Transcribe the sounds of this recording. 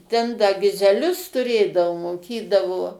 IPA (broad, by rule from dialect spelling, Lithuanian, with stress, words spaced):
tʲɛn dɐ ɡʲɪzʲɛˈlʲʊs tʊˈrʲeːdɐʋoː moːˈkʲiːdɐʋoː